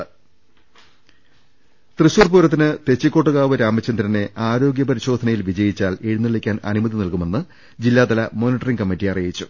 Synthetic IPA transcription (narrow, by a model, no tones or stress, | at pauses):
t̪rɨɕuːrpuːɾɐt̪ːinɨt̪e̞t͡ɕːikʲːo̞ːʈːɨɣaːʋɨɾaːmɐt͡ɕːɐnd̪ɾɐne̞ʔaːɾo̞ːɡʲjɐpɐɾiɕo̞ːd̪ʱɐnɐjilʋid͡ʑɐjit͡ɕːaːleɻunːiɭikʲːaːnɐ̰numɐðinilkume̞nːɨ | d͡ʑilːaːd̪ɐlɐmo̞ːniʈːɐriŋkɐmːitːijɐrijit͡ɕːu